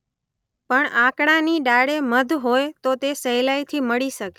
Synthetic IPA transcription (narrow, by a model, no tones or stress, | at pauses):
pəɳãkɽaniɖaɽeməd̪ʱɦojt̪ot̪esəɦjlajt̪ʰiməɭiʃəke